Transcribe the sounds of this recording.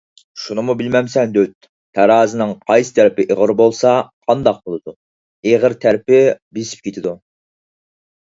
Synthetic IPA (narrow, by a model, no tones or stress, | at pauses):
ʃunɨmubɪlmɛmsɛnd̪øwt̪̚ | t̪ʰæɾɑːzɨnɨŋqʰɑjsɨ̥t̪ʰæɾɪpɪʔeʁəɾbolˠsɑqʰɑnd̪ɑq̚bolˠɨd̪u | eʁəɾt̪ʰæɾɪpɪbisi̥p̚kʲʰet̪ʰɪd̪u